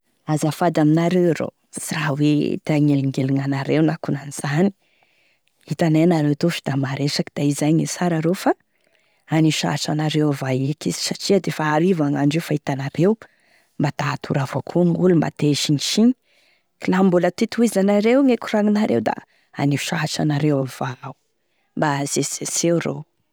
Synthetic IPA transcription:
azafad̪aminaɾewɾo̰ | sirawet̪aŋelŋɡeliŋanaɾewnakunaniz̥ani̥ | it̪anenaɾewt̪ofi̥d̪amaɾesakid̪̥aizajɲisaɾaɾofa | aniʃa̰ʈ͡ʂanaɾewvajikisi̥saʈ͡ʂiəd̪efaːɾivaŋaɳɖ͡ʐewfait̪anaɾew | mbat̪at̪ʰuɾavokʰuŋulumba̰t̪eʃiniʃiɲi̥ | kilambulət̪it̪uizanaɾewŋekuɾaŋinaɾḛwd̪a̰ | aniʃaaʈ͡ʂa̰naɾewav̥au | mbaz̥esesewɾo̰w

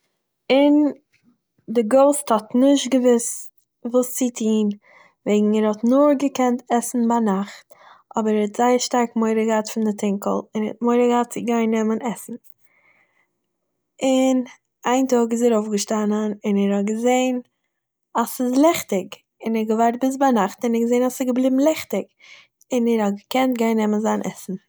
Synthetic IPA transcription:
ɪn | dɪɡoʊsthɔtnɪʃtɡəvɪs | vuːst͡sɪtʰiːn | veɪɡŋ̩ɛɾhɔtnʊɾɡəkɛntɛsn̩banaχt | ʔɔbəɾɛtz̥aɪəɾʃtaɾkmoɪɾəɡəaːtfɪndɪtʰɪŋkəl̩ˠɪnhɛ̰t̚moɪɾəɡəhat̚t͡sɪɡaɪnːɛmənɛsn̩ | ɪn | aɪntoːkɪs̬ɛɾoʊfɡəʃtanənɪnɛɾhɔt̚ɡəzeɪn | asɪslˠɛχtɪɡ | ɪnɛɾɡəvaɾt̚bɪs̬banaχtɪnɛɡəzeɪnasɪɡəblˠiːbm̩lˠɛχtɪɡ | ɪnɛɾhɔtɡəkɛnt̚ɡaɪnːɛmənzaːnʔɛ̰sn̩

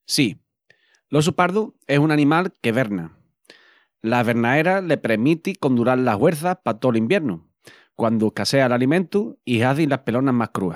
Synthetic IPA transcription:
si | lo̞s̬upaɾðue̞sunanĩmalke̞βe̞ɾna | laβe̞ɾnae̞ɾale̞pɾemit̪iko̞nd̪uɾallːaɦweɾθahpat̪o̞limbje̞ɾnu | kwand̪uehkase̞alalimẽnt̪uihaθinlahpe̞lo̞naɦmahkɾua̰

